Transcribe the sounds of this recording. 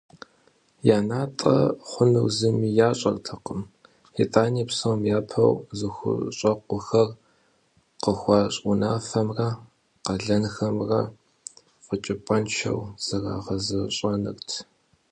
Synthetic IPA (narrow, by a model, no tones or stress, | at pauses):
jaːnaːtʼɐ̰χʷʊnɨwzɨmiːjaːɕʼɐrtʰɐqəm | itʼaːniːpsɐwmjaːpʰɐ̰wzɨxʷʊ̰ɕʼɐqʷʊxɐr | qəxʷɑːɕʼunaːfɐmrɐ | qɐɮɐnxɐmrɐ | qət͡ʃʼɪpʼɐnt͡ʃʰɐ̰wz̥ɐra̰ːʁɐzɨɕʼɐnɨ̰rtʰ